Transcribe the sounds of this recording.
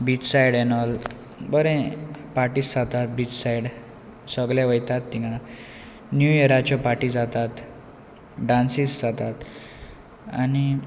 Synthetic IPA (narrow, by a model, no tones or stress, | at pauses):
bit͡ɕsajɽɛnɔl | bəɾɛ̃paɾʈiːsd͡zat̪at̪̚biːt͡ɕsaiɽ | səɡljaʋəjt̪at̪ːiŋã | njujeɾat͡ɕjɔpaʈid͡zat̪at̪ | ɖãnsisd͡zat̪at̪ | ani